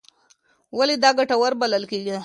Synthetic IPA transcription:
walid̪aɡaʈawaɾbaləlkeɡia

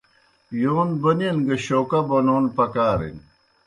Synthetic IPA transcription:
joːnbɐnenɡɐɕoːkɐbɐnoːnpɐkaːɾḛn

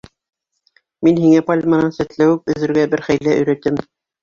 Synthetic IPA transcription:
minhiŋæpalʲmɑnɑnsæ̆t̪læwɘp̚ɵ̆ðɘ̆ɾɡæbɘɾχæjlæʔɵ̆ɾæ̆t̪ɘm

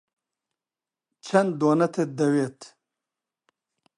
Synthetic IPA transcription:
t͡ʃʰɐnd̪onɐt̪ʰed̪ɐwet̪

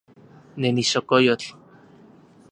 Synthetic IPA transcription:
neniʃokojot͡ɬ

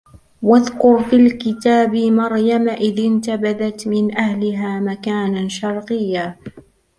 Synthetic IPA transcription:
waðkʊɾfiːlkɪt̪aːbɪmɑɾˤjamaʔɪðɪnt̪abaðat̪mɪnʔahlɪɦaːmakaːnaʃɑɾˤqɨjːa

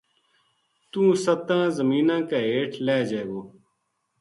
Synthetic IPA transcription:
t̪ũːsət̪ãːzəmiːnãːkaːeːʈʰlɛːd͡ʒeːɡoː

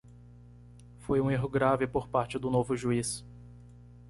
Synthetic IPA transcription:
fojũeɦʊɡɾavɪpoɾpaɾt͡ʃɪd̪ʊnovʊʒuis

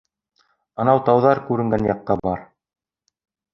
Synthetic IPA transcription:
ɑ̆nɑwt̪ɑwðɑɾkʉɾɘ̆ŋɡænjɑqːɑbɑɾ

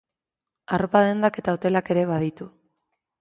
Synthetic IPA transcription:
aropaðend̪ake̞t̪aot̪e̞lake̞ɾe̞βað̞it̪u

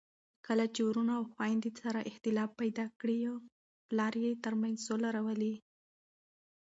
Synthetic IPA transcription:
kəlat͡ʃeɾunaːwxwɑjnd̪isaɾaʔɪxt̪ɪlɑbajd̪ɑkɽia | plɑɾjet̪əɾmajnzsolaɾawəli

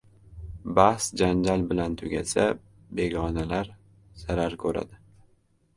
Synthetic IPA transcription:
bahsd͡ʒand͡ʒalbɪlant̪ʰʊɡʲa̰sa | be̞ɡɒnalaɾ | z̥aɾaɾkʰɵɾa̰d̪ɪ

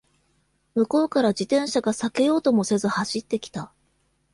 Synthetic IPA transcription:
mɯ̟ko̞ːkaɾad͡ʑit̪ẽ̞ɰ̃ɕaɡasake̞jo̞ːt̪o̞mo̞se̞zɨhaɕit̪ːe̞kʲi̥t̪a

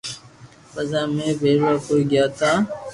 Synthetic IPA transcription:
fəzaːmẽːbʱeːɾwaːkoːiːɡɪjaːt̪aː

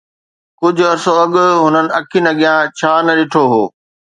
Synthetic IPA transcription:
kʊd͡ʑʱʊɐɾsoɐɠʊ̆ɦʊnənɪ̆ɐkʰinɐɠijãt͡ɕʰaːnɐɗɪʈʰoɦoː

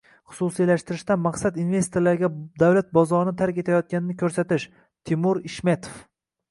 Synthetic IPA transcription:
χʊ̥susilaʃt̪ɪɾɪʃt̪anmaqsad̪inve̞st̪ʰoɾlaɾɡʲad̪awlat̪̚bɒzɒɾɪnɪt̪ʰaɾkʲe̞t̪ʰajɒt̪̚kʲanɪnɪkʲʰɵɾsat̪ɪʃ | t̪ʰɪmʊɾɪʃmet̪ʰo̥f

